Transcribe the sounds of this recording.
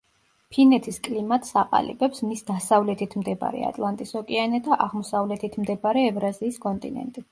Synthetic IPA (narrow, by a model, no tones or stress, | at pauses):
pʰinɛt̪ʰiskʼlimat̪ʼsaqʼa̰lḭbɛpsmisd̪asavlɛt̪ʰit̪ʰmd̪ɛba̰ɾɛ̰a̰t̪ʼlˠant̪ʼisɔkʼɛanɛd̪aʔaʁmɔsavlɛt̪ʰit̪ʰmd̪ɛbaɾɛːvɾaziːskʼɔnt̪ʼḭnɛ̰nt̪ʼi